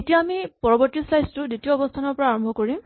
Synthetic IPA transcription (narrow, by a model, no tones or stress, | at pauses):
etijaːmipɔɹɔbɔɹtislajztʊzitijɔːbɔstʰanɔɹpɔɹaaɹɔmbʱɔkɔɹim